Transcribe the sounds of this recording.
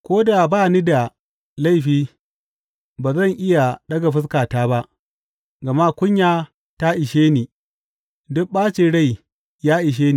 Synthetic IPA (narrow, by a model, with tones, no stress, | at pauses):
kʷoː˦da˨baː˦niː˦da˨ | la˦˨jɸiː˦ | baː˨zɐ˦˨ŋʔɪ˦ja˨ɗɐ˦ɡa˨ɸɪ˦s̬kaː˨taː˦ba˦ʔ | ɡɐ˨ma˦kʷʊ˦ɲjaː˦ | ta˦ʔɪ˨ʃeː˦niː˨ | dʊ˦k̚ɓaː˦t͡ʃɪ˨ɽa˦˨j | jaː˦ʔɪ˨ʃ̬eː˦niː˨